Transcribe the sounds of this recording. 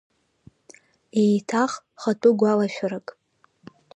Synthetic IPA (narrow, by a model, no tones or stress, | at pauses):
ejtʰaχ | χatʼuɡʷalaʃᶣʷarɨkʼ